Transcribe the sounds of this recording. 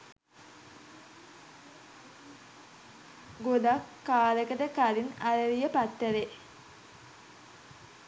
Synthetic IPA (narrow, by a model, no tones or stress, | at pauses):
ɡod̪akːaːləkət̪əkaɾinaɾəɾijəpat̪ːəɾe